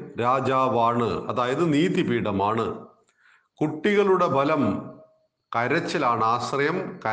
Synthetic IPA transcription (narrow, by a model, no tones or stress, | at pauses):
ɾaːd͡ʑaːʋaːɳɨɐðaːjɐðɨniːðibiːɽɐmaːɳɨ | kuʈːiɣɐɭuɽe̞bʱɐlɐm | kɐɾɐt͡ɕːɐlaːɳɨaːɕrɐjɐmkɐ